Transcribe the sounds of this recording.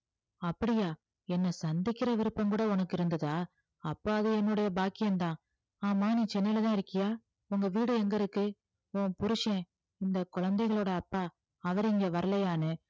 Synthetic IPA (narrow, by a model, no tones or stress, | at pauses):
ɐpːɐɽɪjaː | ɛnːɐsɐnd̪ɪkːɪɾɐʋɪɾɯpːɐmkuːɽɐʊnɐkːɪɾɯnd̪ɐðaː | ɐpːoːɐðɯɛnːɯɽɐjɐbaːkːɪjɐnt̪ãː | aːmaːnĩːt͡ʃɛnːɐjlɐt̪ãːɪɾɯkːɪjaː | ʊŋɡɐʋiːɽɯɛŋɡɐɾɯkːɯ | õːpʊɾɯʂẽ | ɪnd̪ɐkʊɻɐnd̪ɐɪɣɐɭoːɽɐːpːaː | ɐʋɐɾɪŋɡeʋɐɾɐlɐjaːnɯ